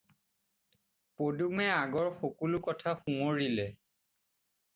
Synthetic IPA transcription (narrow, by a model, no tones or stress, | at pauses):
podumɛaɡɔɹxokulukɔtʰaxumoɹilɛ